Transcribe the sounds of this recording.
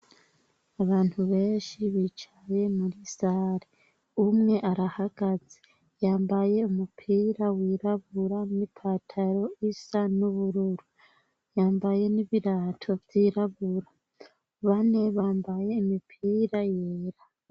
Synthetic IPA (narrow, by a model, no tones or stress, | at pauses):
aβaːn̥huβe̞ːnʃiβit͡ʃaje̞muɾisaːɾe | umŋe̞ʔaɾahaɡ̥azi̥ | jaːmbaje̞umupʰiːɾawiːɾaβuɾanipʰatʰaɾo̞isanuβuɾuɾu | jaːmbaje̞niβiɾatʰo̞vjiːɾaβuɾa | βane̞βaːmbaje̞imipʰiːɾajeːɾa